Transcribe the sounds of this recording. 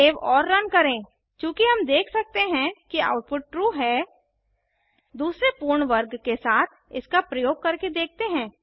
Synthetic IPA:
eːʋɔːɾːɐnkɐɾẽː | kjũːkiɦɐmd̪eːkʰsɐk̚t̪eɦɛ̃kia̰ːʊʈ̚pʊʈ̚ʈɾuːɦɛː | d̪uːsɾepuːɾɳʋəɾɡkesaːt̪ʰɪskapɾɐjoːɡ̚kɐɾked̪eːk̚ʰt̪eɦɛ̃ː

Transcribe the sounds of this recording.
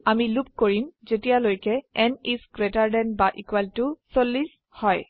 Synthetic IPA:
amilup̚koɹimzetijalojkɛɛniskɹetaɹdɛnbaʔikwaltusolːis | hɔj

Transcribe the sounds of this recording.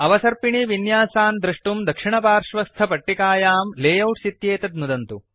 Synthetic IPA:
ɐʋɐsɐɾpiɳiʋinjaːsaːnd̪ɾɐʂʈumd̪ɐkʂiɳɐpaːɾʂʋɐst̪ʰɐpɐʈːikaːjaːmleːjɐwʈsit̪jeːt̪ɐd̪nud̪ɐnt̪u

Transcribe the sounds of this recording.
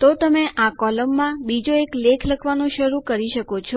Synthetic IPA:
t̪ot̪əmeʔakɔləmːãbid͡ʒoeklekʰləkʰʋanõʃəɾukəɾiʃəkot͡ʃʰɔ

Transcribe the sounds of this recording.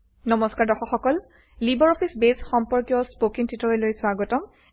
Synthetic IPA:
nɔmɔskaɹdɔxɔxɔkɔl | libɔɹɔpʰisbezxɔmpɔɹkjɔspokiŋtʰitɔɹelojswaɡɔtɔm

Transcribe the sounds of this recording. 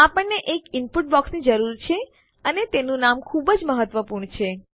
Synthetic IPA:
apəɳːeʔekɪnpuʈ̚bɔksnid͡ʒəɾuɾt͡ʃʰe | ənet̪enũnamkʰubəd͡ʒməɦət̪ʋəpuɾɳt͡ʃʰe

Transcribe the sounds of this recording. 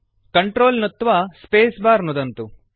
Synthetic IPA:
kɐɳʈɾoːlnot̪ːʋaspeːsbaːɾnud̪ɐnt̪u

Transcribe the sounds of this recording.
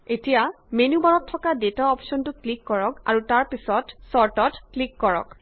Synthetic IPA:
etija | menubaɹɔtʰːɔkadetaɔpsɔntʊklikːɔɹɔka̰ɹutaɹpisɔtsɔɹtɔtklikːɔɹɔ̰k

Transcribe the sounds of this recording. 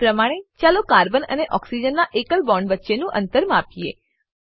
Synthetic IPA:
pɾəmaɽ̃et͡ʃalokaɾbənə̰neʔɔksid͡ʒənːaʔekəlbɔɳɖʋətːʃenũʔənt̪əɾmapie

